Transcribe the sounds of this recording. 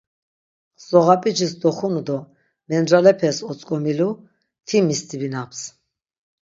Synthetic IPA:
sɔʁapʼit͡ʃʰisd̪ɔχunud̪ɔ | mɛnɾalɛpʰɛsɔt͡sʼkʼɔmilu | t̪ʰimist̪ʰʼibinapʰs

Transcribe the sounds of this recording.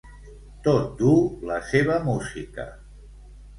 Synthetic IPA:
t̪ot̪̚d̪uləseβəmuzikə̰

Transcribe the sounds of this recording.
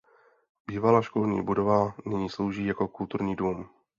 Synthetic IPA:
biːvalaːʃkolɲḭːbudo̞vanɪɲiːslowʒiːjako̞kult̪uɾɲiːduːm

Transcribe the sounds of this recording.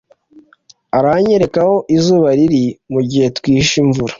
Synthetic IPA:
aɾaɲe̞ɾe̞kaho̞ʔizuːβaɾiɾimuɟihe̞twiːʃiɱvuɾḁ

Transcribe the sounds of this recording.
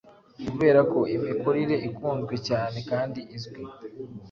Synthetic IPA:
kuβe̞ːɾako̞imiko̞ɾiɾe̞ʔikuːnzɡwe̞caːne̞kaːndiʔizɡwi

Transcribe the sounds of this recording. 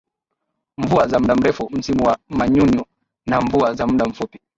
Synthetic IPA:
ɱvuazam̩ɗam̩ɾɛfum̩simuwamaɲuɲɔ | naɱvuazamuɗam̩fupi̥

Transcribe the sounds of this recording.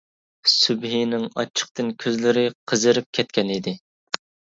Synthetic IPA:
sybɦinɪŋɑt͡ʃʰːə̥q̚t̪ɨnkʲʰøzlɪɾɪqʰəzɨɾɪp̚kʲʰɛt̪̚kʲʰɛnid̪ɪ

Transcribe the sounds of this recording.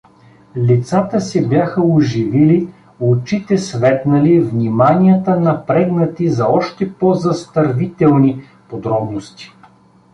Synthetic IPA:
lit̪sat̪əsɛbjaxəʊʒivili | ot͡ʃit̪ɛsvɛt̪nɐlivnimanʲiət̪ənɐpɾɛɡ̪nɐt̪izɐɔʃt̪ɛpozɐst̪ɐɾvit̪ɛlˠni | pod̪ɾɔbnost̪i̥

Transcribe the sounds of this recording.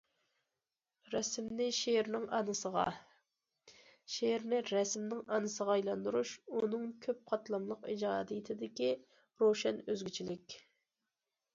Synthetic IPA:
ɾɛsmnɪʃeɾnɪŋɑnɨsəʁɑ̰ | ʃeɾnɪɾɛsmnɪŋɑnɨsəʁɑɑjlˠɑnd̪uɾuʃunɨŋkʲʰøp̚qʰɑt̪lˠɑmlˠəqid͡ʒɑːd̪ɨjɪt̪ʰɪd̪ɪkʲi | ɾoʃɛnøzɡʲyt͡ʃʰilɪkʲ

